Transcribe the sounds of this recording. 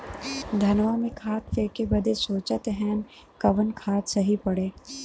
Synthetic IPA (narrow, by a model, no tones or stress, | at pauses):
d̪ʱɐnʋamẽkʰaːt̪feːkebɐd̪ʱesoːt͡ʃət̪ɦɛ̃ːn | kɐʋənkʰaːt̪sɐɦipɐɽeː